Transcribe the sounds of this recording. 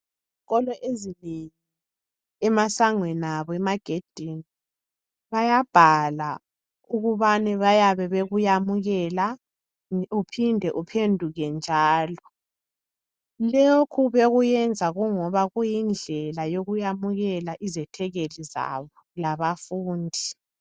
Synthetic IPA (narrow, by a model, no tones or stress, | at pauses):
ziɣɔlɔʔezineŋi | ɛmasaŋwɛnaβɔɛmaɡ̥ʱed̥ʱini | βajab̥ʱala | uɣuβanɛβajaβɛβeɣujamuɣɛla | upʰindʱɛʔupʰendʱuɣɛnd͡ʒʱaːlɔ | lokʰuβeɣujɛnd͡zʱaɣuŋɔβaɣujind͡ɮʱɛlajoɣujamuɣɛlaʔizɛtʰɛɣeliza̰βɔlaβafuːndʱi